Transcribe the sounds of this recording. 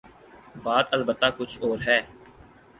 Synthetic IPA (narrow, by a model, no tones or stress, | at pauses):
baːt̪əlbət̪ːakʊt͡ʃʰoːɾɦɛː